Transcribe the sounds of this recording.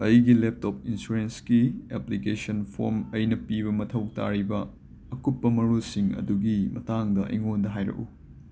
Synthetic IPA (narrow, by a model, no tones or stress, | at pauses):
ɐjɡilep̚top̚insuɾenskieplikesɐnpʰo̰ɾmɐjnɐpibɐmɐtʰɐw̚ta̰ɾibɐː | kutpːɐmɐɾusiŋɐ̰duɡimɐ̰taŋdɐʔɐ̰jŋondɐɦajɾɐ̰ku